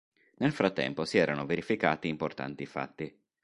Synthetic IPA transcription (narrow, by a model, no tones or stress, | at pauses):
nelfɾat̪ːɛ̰mposiɛːɾanoveɾifika̰ːt̪iːmport̪a̰nt̪ifa̰t̪ːi